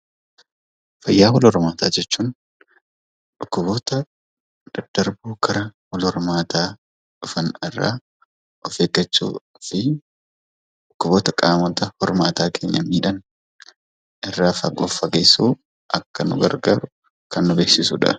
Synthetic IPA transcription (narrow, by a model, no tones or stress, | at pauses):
fɐjːaːwɔlhɔɾmaːt̪ʰaːd͡ʒɛt͡ʃːuːn | ᶑʊkːʊβoːt̪ɐ | d̪̥ɐd̪̥ɐɾbuːkʰɐɾɐwɔlɔɾmaːt̪ʰaː | ᶑʊfɐnɪrːa̰ː | ɔfeːɡɐt͡ʃːṵː | fɪ | ᶑʊkːʊboːt̪ɐkʼaːmɔt̪ɐhɔɾmaːt̪aːkʰe̞ːɲːɐmiːᶑɐn | ʔɪrːaːfɐ̰ɡɔfːɐɡeːsuː | ʔɐ̰kːɐnʊ̰ɡɐ̰ɾɡaːɾʊ | kɐnːʊbeːksɪsʊᶑɐ̰